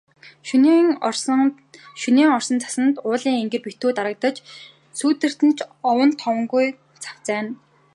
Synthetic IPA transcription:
ʃuniːŋɔr̥sɞ̆nt͡sʰḁsə̆nt̪ʊːɮiːŋeŋɡɘ̆rpit̪uːt̪aɾə̆k̚t̪ə̆t͡ɕ | suːt̪ɘ̆r̥t̪ɘ̆nt͡ɕʰɔwə̆nt̪ʰɔwə̆ŋɡuj | t͡sʰḁw̥t͡sæːn

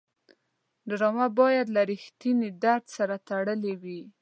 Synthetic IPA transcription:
d̪ɾɑmabɑjad̪laɾɪxt̪inid̪aɾd̪saɾat̪aɽəlewi

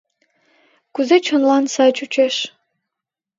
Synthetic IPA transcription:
kuzet͡ʃʰonlˠɑnsɑt͡ʃut͡ʃʰeʃ

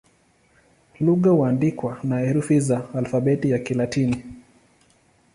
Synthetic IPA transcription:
luɠauandikwanaɛɾufizaːlfaɓɛtijakilatini

